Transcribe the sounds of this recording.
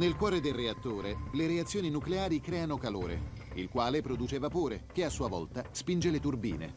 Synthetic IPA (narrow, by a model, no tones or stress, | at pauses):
nelkwɔːɾed̪elreat̪ːoːɾeleɾeat̪sːjoːninukleaːɾikɾɛːanokalo̰ːɾḛ | ilkwaːlepɾod̪uːt͡ʃevapoːɾek̟easːuːavɔ̰lt̪aspind͡ʒelet̪urbḭːnḛ